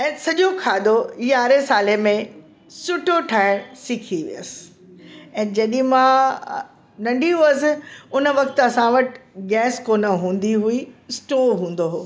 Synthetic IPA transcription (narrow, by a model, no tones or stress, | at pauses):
ɛ̃ːsɐʄokʰaːd̪oiːaːɾesaːlemẽ | sʊʈoʈʰaːɪɽsɪkʰiʋḭjəsɪ̥ | ɛ̃ːd͡ʑɐɗɪ̃mã | nɐ̃ɳɖʱiɦuəsɪʊnəʋɐk̚t̪ɐsãʋɐʈɪ̥ɡɛːskoːnəɦũːn̆d̪iɦuisʈoːɦũːn̆d̪oɦoː